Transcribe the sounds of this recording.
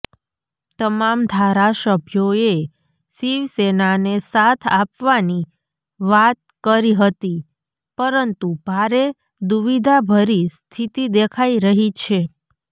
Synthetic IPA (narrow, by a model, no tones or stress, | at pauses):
t̪əmamd̪ʱaɾasəbʱjoe | siʋsenanesat̪ʰapʋani | ʋat̪̚kəɾiɦət̪i | pəɾənt̪ubʱaɾe | d̪uʋid̪ʱabʱəɾist̪ʰit̪id̪ekʰaiɾəɦit͡ʃʰe